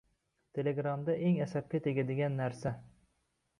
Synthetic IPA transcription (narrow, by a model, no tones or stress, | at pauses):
t̪ʰe̞leɡɾamd̪aʔeŋasap̚kʲat̪ʰeɡʲad̪eɡʲanːaɾsa